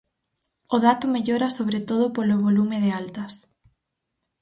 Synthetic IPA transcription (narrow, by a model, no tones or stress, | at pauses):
ʊðat̪ʊmeʎoɾɐsoβɾet̪oð̞ʊpoloβolumɪðealt̪ɐs